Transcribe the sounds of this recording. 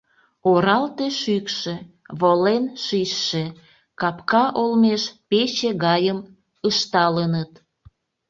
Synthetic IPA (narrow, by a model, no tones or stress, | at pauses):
oɾɑlt̪eʃykʃĕ | βolenʃiʃːe | kɑpkɑʔolmeʃpet͡ɕeɣɑjəm | əʃt̪ɑlənət̪